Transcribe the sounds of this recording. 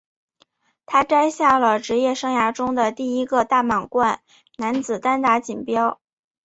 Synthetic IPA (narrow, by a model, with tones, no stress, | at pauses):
t̪ʰa˥ʈ͡ʂa˥ɪɕja˥˩lə˩ʈ͡ʂɻ̩˧˥jɛ˥˩ʂɤ˥ŋja˧˥ʈ͡ʂʊ˥ŋd̪ə˨t̪i˥˩i˥ɡə˧t̪a˥˩mɑ˨˩ŋkwa˥˩n | na˧˥nt͡sɹ̩˨˩t̪a˥nt̪a˧˥t͡ɕi˨˩npjɑ˥ʊ